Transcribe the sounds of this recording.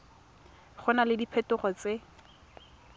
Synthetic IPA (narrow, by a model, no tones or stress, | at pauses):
χʊnalɪdipʰɛtʊχɔt͡se